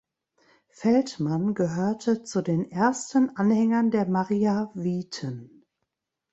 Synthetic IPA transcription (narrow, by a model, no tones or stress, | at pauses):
fɛltmanɡəɦøːɐtʰət͡sudeːnʔeɐstən̩ʔanhɛŋɐndeːɐmaʁiːaviːtʰən